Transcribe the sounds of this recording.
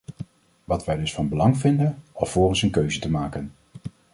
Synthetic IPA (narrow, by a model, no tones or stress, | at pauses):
ʋɑtʋɛjdɵsfɑnbəlɑŋvɪndənɔfʊːrənsənkøɥzətəmaːkən